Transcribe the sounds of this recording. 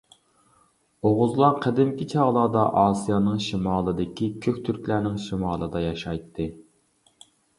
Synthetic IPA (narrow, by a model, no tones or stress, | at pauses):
oʁʊzlˠɑqʰɛd̪ɪmkʲit͡ʃʰɑʁlˠɑːd̪ɑʔɑːsijɑnɨŋʃimɑːlˠɨd̪ɪkʲikʲʰøkʲt̪ʰyɾkʲlæɾnɪŋʃimɑːlˠɨd̪ɑjɑʃɑjt̪ʰːɨ